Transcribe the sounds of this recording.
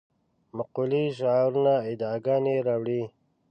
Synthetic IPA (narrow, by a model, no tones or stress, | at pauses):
maquliʃ̬aɾunaid̪ɑːɡɑːneɾaːwɽi